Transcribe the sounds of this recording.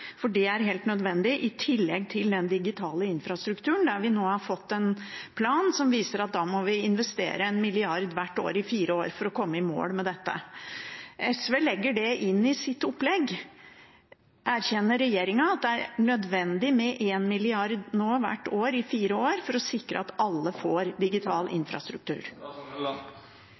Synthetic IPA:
fɔɖɛæɾɦeːlt̪nœd̪ʋɛnd̪ɪʔɪt̪ʰɪlːɛɡt̪ʰɪld̪ɛnd̪ɪɡɪt̪ʰɑːləɪnfɾɑst̪ɾʉkt̪ʰʉːəɳ̩d̪æɾʋɪnoːhɑɾfɔt̪ːɛnpʰlɑːnsɔmʋiːsəɾɑt̪̚d̪ɑːmɔʋɪɪnʋɛst̪ḛːɾəɛnmɪlɪɑɾd̪ʋæʈːo̰ːɾɪfiːɾəoːɾfɔɾɔkʰɔmːəɪmo̰ːlmɛd̪ɛt̪ːə̰ | ʔɛsʋeːlɛɡːəɖɛʔɪnːɪsɪt̪ːʊpːlɛɡ | ʔæɾçɛnːəɾɛjeːɾɪŋɑɑt̪̚d̪ɛæɾɳœd̪ʋɛnd̪ɪmɛʔeːnmɪlɪɑɾd̪noːʋæ̰ʈːoːɾɪfiːɾəoːɾfɔɾɔsɪkɾə̰ɑt̪ɑlːəfoːɾd̪ɪɡɪt̪ʰɑːlʔɪ̰nfɾɑ̰st̪ɾʉk̚t̪ʉ̰ːɾ

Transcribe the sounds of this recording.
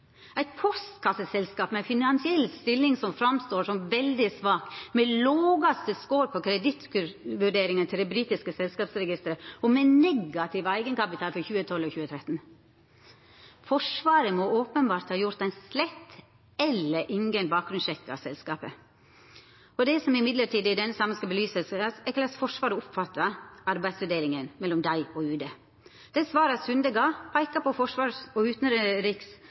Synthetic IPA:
æɪt̪pʰɔst̪kʰɑsəsɛlskɑːpmɛæfɪnɑnsɪɛlst̪ɪlːɪŋsɔmfɾɑmst̪oːʂɔmʋɛld̪ɪsʋɑːkmɛloːɡɑst̪əskoːɾpʰɔkʰɾɛd̪ɪt̪kʉʋʉɖeːɾɪŋənt̪ʰɪld̪ɛbɾiːt̪ɪskəsɛlskɑːpsɾɛɡɪst̪əɾəɔmɛnɛɡɑt̪ʰɪʋæɪɡənkɑpɪt̪ʰɑːlfɔɾçʉːət̪ʰɔlɔçʉːət̪ʰɾɛt̪n | fɔʂʋɑːɾəmɔoːpənbɑːɾt̪hɑːjʊɾt̪æɪnslɛt̪ː | ɛlːəɾʔɪŋɡənbɑːk̚ɡɾʉnʃɛkːɑ̰sɛlskɑːpə | ɔd̪ɛsɔmɪmɪd̪ləʈiːd̪ɪd̪ɛnːəsɑmːənskɑbəlyːsəssɛkəlɑsfɔʂʋɑːɾəʊpfɑt̪ːɑɑɾbæɪd̪sfœd̪eːlɪŋənmɛlɔmd̪æɪɔʉːd̪ə | d̪̥ɛsʋɑːɾɑsʉnd̪əɡɑːpʰɑɪkɑpɔfɔʂʋɑːsɔʉːt̪n̩ɾɾɪks

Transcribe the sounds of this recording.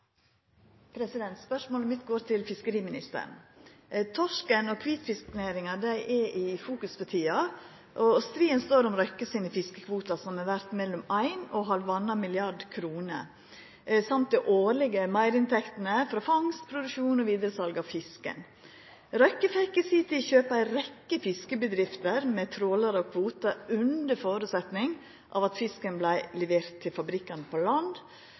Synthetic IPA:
pʰɾɛsɪd̪ɛnt̪spœʂmoːləmɪt̪ɡoːɾt̪ʰɪlfɪskəɾiːmɪnɪst̪ə̰ɳ | t̪ʰɔʂkənɔkʰʋiːt̪fɪsknæɪɾɪŋɑd̪æɪʔɛʔɪfuːkʉsfɔt̪ʰiːɑ | ʔɔst̪ɾiːənst̪oːɾɔmɾœkːəsɪnɪfɪskəkʰʋuːt̪ɑsɔmɛʋæɾt̪mɛlːɔmæɪnɔɦɑɾʋɑnːɑmɪlɪɑɖkʰɾuːnə̰ | sɑmt̪̚d̪ɛʔoːɾɭɪɡəmæɪɾɪnt̪ʰɛkt̪ənəfɾɑːfɑŋst̪pʰɾʊd̪ʉkʂuːnɔʋiːd̪əɾəsɑlɡɑʋfɪskə̰n | ɾœkːəfɛkːəsɪt̪ɪçøːpəæɪɾɛkːəfɪskəbəd̪ɾɪft̪əɾmɛːt̪ʰɾoːlɑɾəɔkʰʋuːt̪ɑʉnd̪əɾfoːɾʉːt̪sɛt̪nɪŋ | ʔɑ̰ːʋɑt̪fɪskənblæɪlɛʋeːɾt̪ʰːɪlfɑbɾɪkːɑnəpʰɔlɑnd̪

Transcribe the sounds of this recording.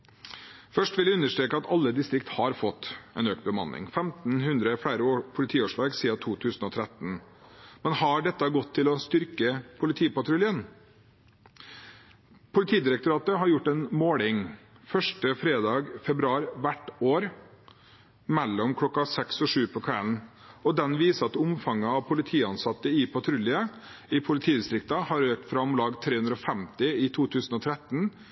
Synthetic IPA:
fœʂʈʋɪljæʉnːəʂʈ̪ɾeːkəɑt̪ɑlːəd̪ɪst̪ɾɪk̚t̪hɑɾfɔt̪ːɛ̰nøːkt̪̚bəmɑ̰nːʔɪ̰ŋfɛmt̪n̩hʉnd̪ɾəfæɪɾəopʰʊlɪt̪ʰiːoːʂlɑːɡsiːɑt̪ʰuːt̪ʰʉːsn̩ɔːt̪ʰɾɛt̪n̩ | mɛnhɑɖɛt̪ːɑɡɔt̪ʰːɪlɔst̪ʏɾkəpʰʊlɪt̪ʰiːpɑʈʰɾʉljən | pʰʊlɪt̪ʰiːd̪ɪɾɛk̚t̪ʊɾɑːt̪əɦɑɾjʊʈːɛnmoːlɪŋ | fœʂʈəfɾeːd̪ɑːɡfɛbɾʉɑːɾʋæʈːoːɾ | mɛlːɔmkʰlɔkːɑsɛksɔʂʉːpʰɔkʰʋæln̩ɔd̪ɛnʋiːsəɑt̪ʊmfɑŋːəɑʋpʰʊlɪt̪ʰiːɑnsɑt̪ːəɪpʰɑt̪ʰɾʉlɪəɪpʰʊlɪt̪ʰiːd̪ɪst̪ɾɪk̚t̪ɑhɑɾøːk̚t̪fɾɑɔmlɑːɡt̪ʰɾeːhʉnd̪ɾɔfɛmt̪ɪɪt̪ʰuːt̪ʰʉːsn̩ɔːt̪ʰɾɛt̪n̩

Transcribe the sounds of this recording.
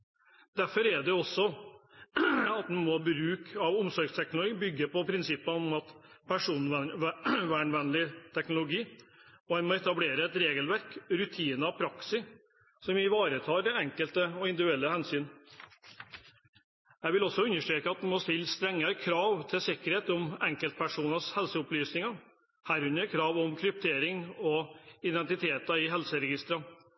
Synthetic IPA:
d̪̥æɾfɔɾɛɖɛɔsːɔ | ɑt̪d̪ɛmobɾʉːkʰɑʋʊmsɔɾɡst̪ʰɛknlʊɡiːbʏɡːəpɔpʰɾɪnsɪpːəɔmɑt̪pʰæʂuːn | ʋæɳʋɛnlɪt̪ʰɛknʊlʊɡiːɔɛnmɔɛt̪ɑbleːɾəɛt̪ɾeːɡəlʋæɾkɾʉt̪ʰiːnɑpʰɾɑksɪ | sɔmɪʋɑːɾət̪ʰɑːɾd̪ɛɛŋkəlt̪əɔɪnd̪ɪdʉɛlːəhɛnsyːn | jæɪʋɪlɔsːɔʉnːəʂʈɾeːkəɑt̪̚d̪ɛmɔst̪ɪlːst̪ɾɛŋːəɾkʰɾɑːʋt̪ʰɪsɪkəɾheːt̪ɔmɛŋkəlt̪̚pʰæʂuːnɑshɛlsəʊplyːsnɪŋɑ | hæɾʉnəkʰɾɑːʋɔmkʰɾʏp̚t̪ʰeːɾɪŋɔɪd̪ɛnt̪ɪt̪ʰeːt̪ɑɪɦɛlsəɾɛɡɪst̪ɾɑ

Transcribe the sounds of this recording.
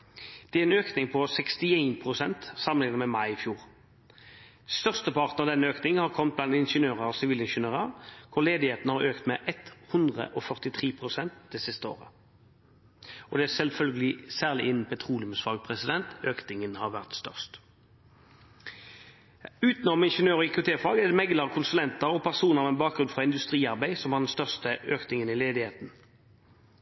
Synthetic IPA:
d̪̥ɛæɾɛnøːknɪŋpʰɔsɛkst̪ɪeɪnpʰʁʊsɛnt̪sɑmənɪŋnmɛmɑɪɪfjuːʁ | st̪œʁst̪əpʰɑʁt̪n̩ɑʋd̪ɛnːəøːknɪŋhɑʁkʰɔmt̪̚blɑnd̪ɪnʃənøːʁəɔsɪʋiːlɪnʃənøːʁəkʰʊʁleːd̪ɪheːt̪nəhɑʁøːkt̪mɛʔɛt̪hʉnd̪ʁə̰ʔɔfœʁt̪ɪt̪ʰʁiːpʰʁʊsɛnt̪̚d̪̥ɛsɪst̪əo̰ːʁə̰ | ɔd̪ɛæsɛlfœlɡəlɪsæːʁlɪʔɪnən̩pʰɛt̪ʰʁuːlɪʊmsfɑɡpʰʁɛsɪd̪ɛnt̪øːknɪŋənhɑʁʋæʁt̪st̪œ̰ʁst̪ | ʉːt̪nɔmɪnʂənøːʁɔɪkʰʊt̪ʰeːflɑːɡɛd̪ɛmɛɡləʁəkʰʊnsʉlɛnt̪əɾɔpʰæʁsuːnəʁɑʋɛnbɑːk̚ɡʁʉnfʁɑɪnd̪ʉst̪ʁiːɑʁbæɪsɔmhɑd̪ɛnst̪œʁst̪əʔøːknɪŋənɪleːd̪ɪheːt̪n

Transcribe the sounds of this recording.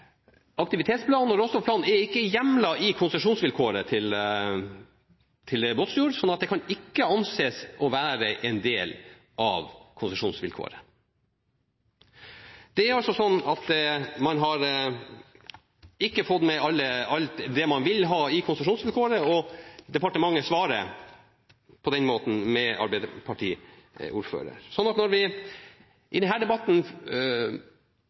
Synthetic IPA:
ɑk̚t̪ɪʋɪt̪ʰeːt̪spʰlɑːnɔɾɔst̪ɔfpʰlɑːnɛɾɪkːəjɛmlɑɪkʰʊnsəʂuːnsʋɪlkʰoːɾət̪ʰɪl | t̪ʰɪlboːt̪sjuːɾsɔnːɑt̪̚d̪ɛkʰɑnɪkːəɑnseːsɔʋæːɾəʔɛnd̪eːl | ʔɑ̰ʋkʰʊnsəʂuːnsʋɪ̰lkʰo̰ːɾə | d̪̥ɛæɾɑlsɔsɔnːɑt̪mɑnɦɑɾ | ɪkːəfɔd̪mɛɑlːəɑlt̪d̪ɛmɑnʋɪlɦɑːɪkʰʊnsəʂuːnsʋɪlkʰoːɾəɔd̪ɛpɑʈəmɑŋːəsʋɑːɾə | pʰɔd̪ɛnmoːt̪n̩mɛɑ̰ɾbɛɪd̪əpʰɑʈʰḭː | ṵːɾfø̰ːɾə̰ɾsɔnːɑt̪nɔɾʋɪ | ʔɪd̪ɛnɦæːɖɛbɑt̪ːn̩

